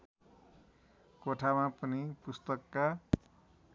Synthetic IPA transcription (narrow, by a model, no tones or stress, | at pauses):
koʈʰamapʌnipust̪ʌkːa